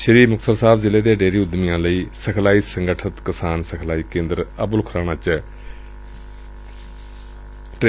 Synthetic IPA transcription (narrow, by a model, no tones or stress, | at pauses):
ʃəɾiːmʊksəɾsaːbzɪleːd̪eːɖeːɾiːʊd̪mɪjãːləiːsəkʰlaːiːsəŋɡəʈʰət̪kəsaːnsəkʰlaːiːkẽːnd̪əɾəbʊlkʰɾaːnaːt͡ʃ | ʈ